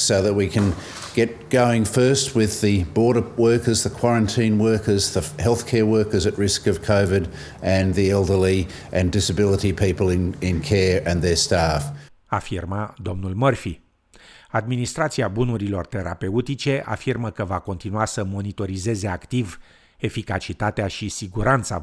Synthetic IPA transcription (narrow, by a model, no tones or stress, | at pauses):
soʊðɨt̚wikʰɨ̃n | ɡ̥ɛt̚ɡ̥oʊɪ̃ŋfɜ˞st̚wɪðɨbɔɹɾəwɜ˞kə˞zðəkʰw̥ɑɹɨ̃ntʰĩnwɜ˞kə˞zðəhɛlˠθkʰɛɹwɜ˞kə˞zɨt̚ɹɪskʌv̥kʰoʊvɪɾ | ɨ̃nðiɛlˠdə˞li | ʔɨ̃ndɪsɨbɪlˠəɾipʰipəl̩ˠɪ̃nɪ̃nkʰɛɹɨ̃nðə˞stæf | afirməd̪o̞mnulmərfi | ad̪minist̪ɾat̪siabunuɾilo̞rt̪e̞ɾʔa̰pe̞ut̪it͡ʃe̞ʔa̰firməkəvako̞nt̪inuasəmo̞nit̪o̞ɾize̞ze̞akt̪iv | e̞fikat͡ʃit̪at̪eaʃisiɡuɾant̪sa̰